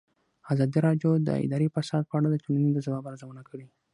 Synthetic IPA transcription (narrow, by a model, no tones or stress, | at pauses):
azɑd̪iɾɑɖjod̪ə̰ɪ̰d̪ɑɾipasɑd̪̚pəaɽad̪ət̪uninid̪əzawɑbaɾazawənakʰəɽi